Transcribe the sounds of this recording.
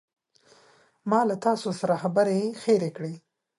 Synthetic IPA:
mɑlat̪ɑsosaɾaxabəɾexeɾekɽe

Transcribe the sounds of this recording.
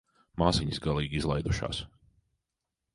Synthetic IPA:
maːziɲisɡalˠiːɡizlˠajd̪uʃa̰ːs

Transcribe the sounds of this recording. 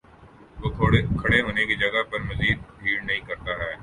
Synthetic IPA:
t̪oːkʰɐɽeɦoːnekid͡ʒɐɡəɦpɐɾmɐziːd̪̚bʱiːɽnɐɦĩːkɐɾt̪aɦɛː

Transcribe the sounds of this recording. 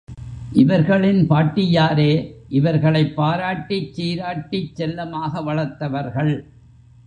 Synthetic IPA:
ʔɪʋɐɾɣɐɭɪnpaːʈːɪjaːɾeːʔɪʋɐɾɣɐɭɐɪpːaːɾaːʈːit͡ʃːiːɾaːʈːɪt͡ʃːɛlːɐmaːɣɐʋɐɭɐɾt̪ːɐʋɐɾɣɐɭ

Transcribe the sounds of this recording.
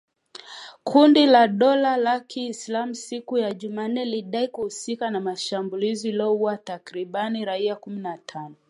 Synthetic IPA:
kʰundilaɗɔlalakiːslamusikujaʄuman̩ːɛliɗaikuhusikanamaʃambuliziilɔhuwatakɾiɓaniɾaiakuminatʰanɔ

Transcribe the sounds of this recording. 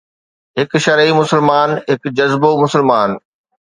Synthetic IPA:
ɦɪkʃɐɾimʊsəlmaːnɦɪkd͡ʑɐzbomʊsəlmaːn

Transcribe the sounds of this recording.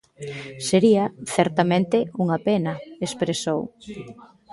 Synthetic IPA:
seɾiɐθɛɾt̪amẽnt̪ɪuŋapenɐespɾesow

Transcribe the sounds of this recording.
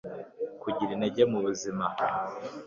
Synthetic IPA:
kuɟiɾineɟemuβuzima

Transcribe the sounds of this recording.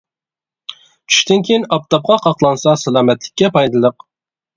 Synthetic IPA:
t͡ʃʰy̥ʃt̪ɪnkʲʰejinɑp̚t̪ʰɑp̚qʰɑqʰɑqlˠɑnsɑsælˠɑːmɛt̪lɪkʲːɛpʰɑjd̪ɨlˠəq

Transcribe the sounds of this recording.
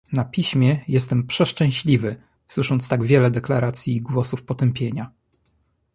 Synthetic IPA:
napʲiɕmʲjɛjɛst̪ɛmpʂɛʂt͡ʂɛ̃w̃ɕlʲivɘ | swɘʂɔnt̪st̪aɡvʲjɛlɛd̪ɛklaɾat̪sʲjiɡwɔsufpɔt̪ɛmpʲjeɲa

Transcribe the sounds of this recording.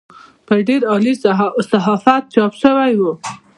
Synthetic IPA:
pəɖeɾɑlisaɦɑfat̪̚t͡ʃɑpʃəwajwu

